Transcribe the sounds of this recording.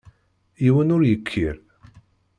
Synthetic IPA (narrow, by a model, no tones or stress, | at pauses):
iwənʊɾjəkʰːiɾ